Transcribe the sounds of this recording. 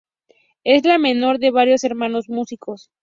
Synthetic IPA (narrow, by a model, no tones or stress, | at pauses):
e̞zlame̞no̞ɾðe̞βaɾjo̞se̞ɾmãno̞zmusikʰo̞s